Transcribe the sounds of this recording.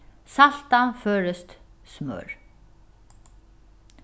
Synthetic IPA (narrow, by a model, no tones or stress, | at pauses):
sal̥t̪afœːɾɪst̪smœ̰ːɾ